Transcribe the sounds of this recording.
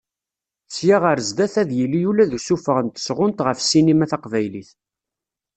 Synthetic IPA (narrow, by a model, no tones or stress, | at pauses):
sjaʁəɾəzd̪æθæðjilːijulæðusufəʁənt̪ə̥sʁʊnt̪ʁəfsinimæθɑqvæjliθ